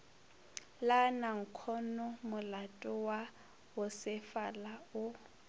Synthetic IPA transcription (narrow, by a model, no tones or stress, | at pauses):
lanaŋ̩kʰɔnɔmʊlatʼʊwa | ʊsɪfalaʊ